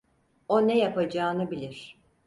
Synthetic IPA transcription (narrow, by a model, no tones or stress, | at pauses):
o̞nɛjapad͡ʒaːnɯbilʲiɾ̥